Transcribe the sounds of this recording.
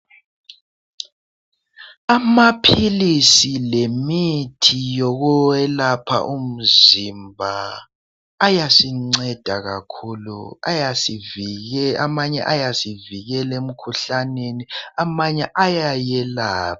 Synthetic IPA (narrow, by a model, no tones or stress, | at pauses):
amapʰilisilemitʰijɔɣɔwɛlapʰa̰ʔum̩zimbʱaː | jasiŋ͡ǀɛd̥ʱaɣa̰kʰulṵajasivamaɲɛ̰ʔajasiviɣɛlem̩kʰuɬaneniamaɲɛʔajajɛlaːpḁ